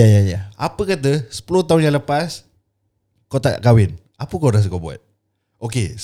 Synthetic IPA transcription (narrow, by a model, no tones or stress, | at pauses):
ajajaapəkat̪̬əsə̥pulot̪aunjãləpas | kot̪a̰ʔkawɪn | apəkoʔɾas̬əkoʔbua̰t̪̚ | oke